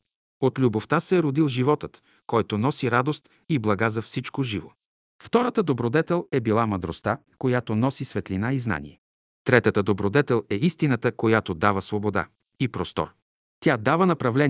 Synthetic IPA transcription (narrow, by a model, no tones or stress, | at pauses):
ot̪lʲuboft̪asɛɾod̪ilˠʒivɔt̪ət̪ | kɔjt̪onɔsiɾad̪ost̪ | iblˠɐɡazɐfsit͡ʃkoʒivo̰ | ft̪ɔɾət̪əd̪obɾod̪ɛt̪ɛlˠɛbilˠamɐd̪ɾo̰st̪a | kojat̪onɔsisvɛt̪linaizna̰nḭɛ | t̪ɾɛt̪ət̪əd̪obɾod̪ɛt̪ɛlˠɛist̪inət̪əkojat̪od̪avəsvobod̪a̰ | ipɾɔst̪ɔ̰ɾ | t̪ʲjad̪avənɐpɾɐvlɛn